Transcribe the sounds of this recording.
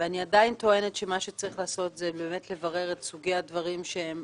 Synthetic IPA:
veaniadainto̞e̞ne̞tʃemaʃet͡saʁiχlaːso̞tzebeːmetle̞vaʁe̞ʁetsuɡejadvaʁimʃeem

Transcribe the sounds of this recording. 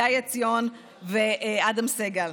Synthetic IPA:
ajat͡sijon | vead̪amseɡal

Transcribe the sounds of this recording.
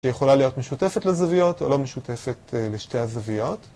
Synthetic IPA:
ʃejeχo̞lalijo̞tmeʃute̞fetlezavijo̞to̰lo̞meʃute̞fe̞teleʃte̞azavijo̞t

